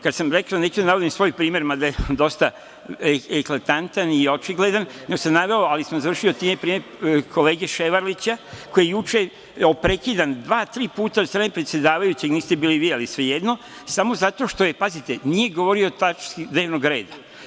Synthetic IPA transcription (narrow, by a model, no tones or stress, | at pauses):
kad̪samɾe̞klane̞t͡ɕud̪anaʋo̞d̪imsʋo̞jpɾiːme̞ɾmad̪ajed̪o̞st̪a | eklat̪ant̪anio̞t͡ʃiɡle̞d̪anneɡosamnaʋe̞o̞alismozaʋɾr̩ʃio̞t̪iːmepɾiːmeɾ | kʰo̞le̞ːɡe̞ʃeʋaɾlit͡ɕako̞jejut͡ʃe̞ | opɾe̞kid̪and̪ʋaːt̪ɾiːpuːt̪ast̪ɾaːnepɾet̪sje̞d̪aːʋajut͡ɕeɡniːst̪e̞biːliʋiːalisʋe̞jed̪no̞ | samo̞zat̪o̞ʃt̪ojepazit̪e̞nije̞ɡoʋo̞ɾio̞t̪at͡ʃskid̪ne̞ːʋnoɡɾe̞ːd̪a